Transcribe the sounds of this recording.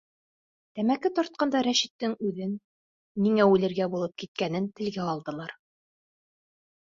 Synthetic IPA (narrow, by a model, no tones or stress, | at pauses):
t̪æmækɘt̪ɒɾt̪̚qɑnd̪ɑɾæʃĭt̪ːɘŋʉðɘnː | iŋæʉlɘ̆ɾɡæbulˠɤp̚kit̪̚kænɘnt̪ɘ̆lɡæɒlˠd̪ɤ̆lˠɑɾ